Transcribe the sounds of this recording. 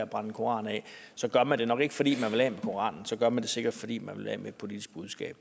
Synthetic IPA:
æb̥ʁɑ̈nəkʰo̝ɑ̰̈ːnɛ̰ | sɒ̽ɡ̥ɶɐmænd̥e̝nɒ̽ɡ̥e̝ɡ̥əfɒ̽d̥ḭːmænʋe̝lɛ̰ːmekʰo̝ʁɑ̰̈ːnn̩sɒ̽ɡ̥ɶɐmænd̥e̝se̝ɡ̥ɐd̥fɒ̽d̥ḭːmænʋe̝lhɛ̰ːmed̥̚pʰo̝lid̥isɡ̥̚b̥uð̞ˠsɡ̥ɛ̰ːb̥

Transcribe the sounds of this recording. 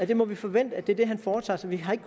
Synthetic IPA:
æd̥e̝mɒ̽ʋifɒ̽ʋen̰d̥əædd̥e̝æɐd̥e̝ɦænfɒːt͡sʰɑ̰ːsɒ̽ʋiɦɑ̈e̝ɡ̥ə̥kʰ

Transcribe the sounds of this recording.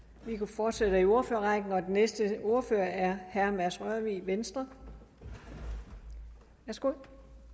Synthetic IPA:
ʋikʰufɒːd̥sed̥əio̝ɐføɐʁɑ̈ɪɡ̥n̩ɒ̽d̥enesd̥əo̝ɐføɐæɐhæɐmæsʁœɐʋiʋensd̥ʁɐ | ʋæɐsɡ̥o̝ðˠ

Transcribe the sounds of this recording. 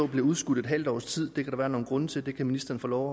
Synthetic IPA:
ɒb̥leuðˠsɡ̥ud̥ed̥ɦæl̰d̥ɒ̰ːst͡sʰið̰ˠd̥e̝kʰæɾ̥ɑ̈ʋæːɐno̝ːn̩ɡ̥ʁɔ̽nət͡sʰe̝ld̥e̝kʰæminisd̥ɐn̩fɒ̽lɒʊ

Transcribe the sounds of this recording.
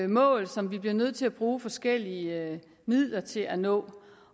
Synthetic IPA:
mɔ̰̽ːlsɒ̽mʋib̥liɐnøð̞̰ˠt͡sʰe̝læb̥ʁuːfɒ̽sɡ̥el̰iə | mið̰ˠlɐt͡sʰe̝lʔænɔ̰̽ː

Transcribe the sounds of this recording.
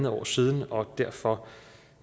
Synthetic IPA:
nð̩ˠɒ̰ːsiːð̞ˠn̩ɒ̽d̥æɐ̰fɒ̽

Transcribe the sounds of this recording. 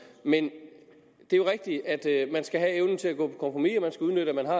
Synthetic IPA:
men | d̥e̝jo̝ʁɛɡ̥̚d̥iæd̥mænsɡ̥æɦæeʊnn̩t͡sʰe̝læɡ̥ɔ̰̽ːpʰɒ̥̽kʰɒ̽mpʰʁomḭɒmænsɡ̥æuðˠnød̥əæmænɦɑ̈

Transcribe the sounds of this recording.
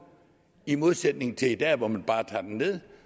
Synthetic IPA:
imo̝ðˠsed̥ne̝ŋ̩t͡sʰe̝id̥ɛ̰ːʋɒmænb̥ɑ̈ːt͡sʰɑ̰̈ːd̥enːe̝ð̞ˠ

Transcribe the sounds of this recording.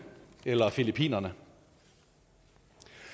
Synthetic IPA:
elɐfilipʰḭːnɐnə

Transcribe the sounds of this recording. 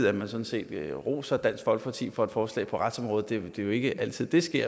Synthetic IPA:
ð̩̰ˠæmænsɒ̽n̩se̝̰ːd̥ʁo̝̰ːsɒd̥æn̰sɡ̥fɒ̽l̰ɡ̥̚pʰɑ̈t͡sʰḭːfɒ̽e̝d̥fɒːslɛ̰ːɪpʰɒ̽ʁɑd̥sɒ̽mʁɔ̽ːðˠd̥e̝d̥e̝jo̝e̝ɡ̥əʔæl̰t͡sʰið̰ˠd̥e̝sɡ̥e̝ɐ̰

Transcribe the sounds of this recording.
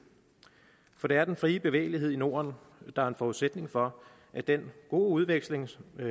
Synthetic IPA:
fɒ̽d̥ɾe̝æɐd̥enfʁiːəb̥e̝ʋḛːɪliɦe̝ð̞̰ˠino̝̰ːɐn | d̥ɑ̈æɐe̝nfɒuðˠsed̥ne̝ŋfɒ̽ | ʔæd̥enɡ̥o̝̰ːuð̞ˠʋeɡ̥sle̝ŋ

